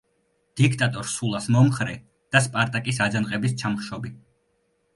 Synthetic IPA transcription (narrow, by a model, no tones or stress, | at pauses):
d̪̥ik̚ʰt̪ʼat̪ʼɔɾsulˠasmɔmχɾɛ | d̪̥aspʼaɾt̪ʼakʼisad̪zanqʼɛbist̪t͡ʃ̪ʰamχʃɔbi